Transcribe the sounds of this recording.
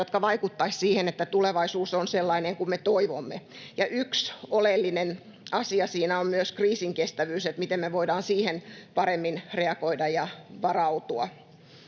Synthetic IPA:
jot̪kɑʋɑikut̪ːɑissiːhenet̪ːæt̪uleʋɑisuːsonselːɑineŋkummet̪oiʋomːe | jɑʔyksolelːinen | ɑsiɑsiːnæommyøskriːsiŋkest̪æʋyːset̪mit̪emmeʋoidɑːnsiːhenpɑɾemːinreɑkoidɑjɑʋɑrɑut̪uɑ

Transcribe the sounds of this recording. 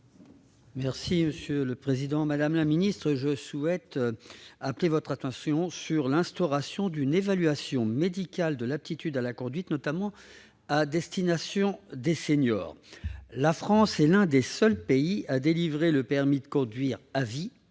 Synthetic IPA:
mɛʁsiməsjøləpχezid̪ɑ̃mad̪amlaminist̪χəʒəsuɛt̪ | aplevɔt̪χat̪ɑ̃sjɔ̃syʁlɛ̃st̪ɔʁasjɔ̃d̪ynevalɥasjɔ̃med̪ikʲald̪əlap̚t̪it̪yd̪alakɔ̃d̪ɥit̪nɔt̪amɑ̃ | ad̪ɛst̪inasjɔ̃d̪eseɲjɔ̰ːʁlafχɑ̃sɛlɛ̃d̪esœlpeiad̪elivʁeləpɛʁmid̪əkɔ̃d̪ɥiʁavi

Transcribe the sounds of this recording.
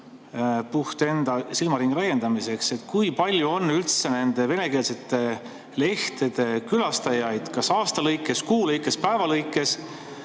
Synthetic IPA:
puht̪e̞nd̪̥ɑsilmɑɾiŋɡ̥ɾæjːe̞nd̪ɑmise̞kse̞t̪ːˑkujpɑlʲjuo̞nːylt̪se̞ne̞nd̪̥e̞ve̞ne̞ke̞ːlse̞t̪ːˑe̞ | le̞ht̪e̞d̪̥e̞kylɑst̪ɑjɑjd̪̥kɑsɑːst̪ɑlɤjkːˑe̞skuːlejkːˑe̞spæevɑlɤjkːˑe̞s

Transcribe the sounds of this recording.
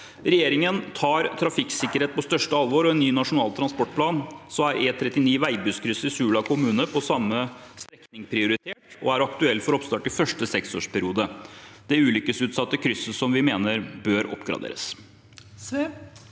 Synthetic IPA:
ɾɛjeːɾɪŋənt̪ʰɑːɾt̪ʰɾɑfɪksɪkːəɾeːt̪̚pɔst̪œʂʈəɑlʋoːɾɔɛnːyːnɑʂʊnɑːlt̪ʰɾɑnspɔʈ̚pʰlɑːnsɔmæɾʔeːt̪ʰɾɛt̪ːɪniːʋæɪbʉskʰɾʏsəɾɪsʉːɭɑkʰʊmʉːnəpʰɔsɑmːəst̪ɾɛknɪŋpʰɾɪʊɾɪt̪ʰeːʈɔ̰æɾɑkt̪ʉɛlːfɔɾɔpst̪ɑːʈɪfœʂʈəsɛkso̰ːʂpʰæɾɪuːd̪əd̪̥ɛʉːlʏkəsʉːt̪sɑt̪ːəkʰɾʏsːəsɔmʋɪmeːnəɾbøːɾɔ̰pɡɾɑ̰d̪ḛːɾə̰s

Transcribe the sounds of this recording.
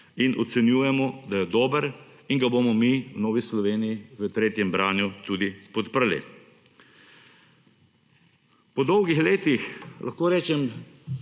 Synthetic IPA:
inʔɔt̪sɛnjuːjɛmɔd̪ajɛd̪oːbəɾ | iŋɡaboːmɔmiwnɔːʋislɔʋeːnijiʋət̪ɾeːt̪jɛmbɾaːnjut̪uːd̪ipɔt̪pəɾlḭ | pɔd̪ɔwɡixleːt̪ixlʔɐ̰xkoːɾɛːt͡ʃɛm

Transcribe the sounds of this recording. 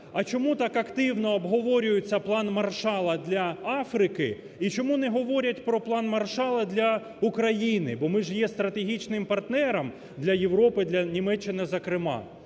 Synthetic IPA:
ɐt͡ʃɔmut̪ɑkɐkt̪ɪwnɔɐbɦɔʋɔɾʲʊjʊt͡sʲːɐplˠɑnmɐrʃɑlˠɐd̪lʲɐɑfɾɪkɪ | it͡ʃɔmunɛɦɔʋɔɾʲɐtʲpɾɔplˠɑnmɐrʃɑlˠɐd̪lʲɐ | ukɾɐjinɪbɔmɪʒjɛst̪ɾɐt̪eɦʲit͡ʃnɪmpɐrt̪nɛɾɐm | d̪lʲɐjewɾɔpɪd̪lʲɐnʲimɛt͡ʃːɪnɪzɐkɾɪmɑ̰

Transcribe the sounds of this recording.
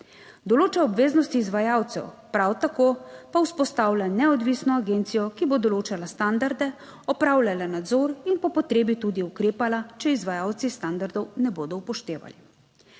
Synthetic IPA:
d̪ɔloːt͡ʃɛɔbʋeːznɔst̪iːzʋajawt̪sɛ̰wpɾawt̪akopawspɔst̪aːwlʲanɛɔd̪ʋisnɔaɡeːnt̪sijɔkibod̪ɔloːt͡ʃalast̪and̪aɾd̪ɛ | ɔpɾaːwlʲalanad̪zɔɾinpɔpɔt̪ɾeːbit̪uːd̪iukɾeːpalat͡ʃɛizʋajaːwt̪sist̪and̪aɾd̪ɔwnɛboːd̪ɔwpɔʃt̪eːʋa̰li

